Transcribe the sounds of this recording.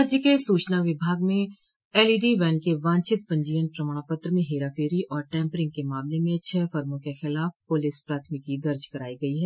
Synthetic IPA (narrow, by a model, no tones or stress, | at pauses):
əd͡ʒjəkesuːt͡ʃnaʋɪbʱaːɡmẽ | eːliːɖiʋɛːnkeʋãːnt͡ʃɪt̪pɐ̃ɲd͡ʒiːənpɾɐmaːɽ̃apət̪ɾəmẽɦeːɾafʰeːɾiʔɔːɾʈɛ̃ːmpɾɪ̃ŋɡ̚kemaːmlemẽʃʰɛfɐɾmõkexɪlaːfpolɪspɾaːt̪ʰmɪkid̪ɐɾd͡ʒkɐɾaːiɡɐiɦɛː